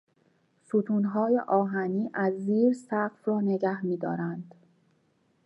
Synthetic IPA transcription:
suːt̪ʰuːnɦɒːjḛʔɒːɦæniːʔæzːiːɾsæɢfɾɒːne̞ɟæhmiːd̪ɒ̰ːɾænd̪̥

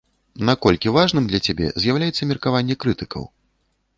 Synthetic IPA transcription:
nakɔlʲkʲivaʐnɨmd̪lʲɐt͡sʲabʲɛ̰zʲjawlʲajɛt̪sːɐmʲirkavanʲːɛkɾɨt̪ɨkɐ̰w

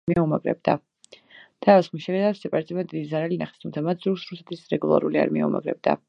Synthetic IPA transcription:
iaumaɡɾɛ̰b̚d̪a | d̪̥ʰaɔsχmiʃɛlɛd̪asɛpʼaɾt̪sʼimɛd̪id̪izaɾalinaχɛ̥st̪ʰumt̪sʰamat̪sʰzuɾsɾusɛ̥t̪ʰisɾɛɡulˠa̰ɾulia̰ɾmiauma̰ɡɾɛ̰b̚d̪̥a̰

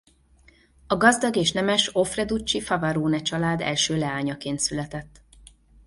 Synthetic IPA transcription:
ɒɡɒzd̪ɒɡeːʃnɛmɛʃo̞frɛd̪ut͡ʃːifɒvɒɾoːnɛt͡ʃɒlaːd̪ɛ̰lʃøːlɛaːɲɒkeːnt̪sylɛt̪ɛt̪ː

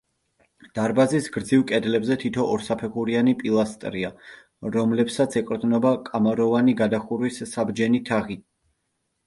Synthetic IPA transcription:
d̪̥aɾbazisɡɾd̪zivkʼɛd̪lɛbzɛt̪ʰit̪ʰɔʔɔɾsapʰɛχuɾianipʼilˠast̪ʼɾia | ɾɔmlɛpsat̪sʰɛkʼɾd̪nɔbakʼamaɾɔvaniɡad̪aχuɾwisːabd͡ʒɛnit̪ʰaʁi

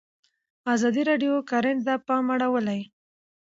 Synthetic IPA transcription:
ɑzɑd̪iɾɑɖjokaɾend̪apɑmaɽawəlaj

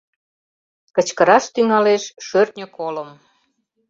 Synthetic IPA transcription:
kət͡ɕkəɾɑʃt̪yŋɑleʃʃørt̪nʲəkoləm

